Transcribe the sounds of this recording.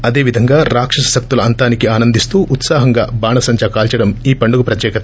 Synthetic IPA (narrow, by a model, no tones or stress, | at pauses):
ɐd̪eːʋid̪ʱɐŋɡaːɾaːkʂɐsɐsɐk̚t̪ulɐɐnt̪aːnikiaːnɐnd̪ist̪uːʔut̪saːɦɐŋɡaːbaːɳɐsɐɲt͡ʃɐkaːlt͡ʃɐɽɐmiːpɐɳɖuɡupɾɐt̪jɛːkɐt̪ɐ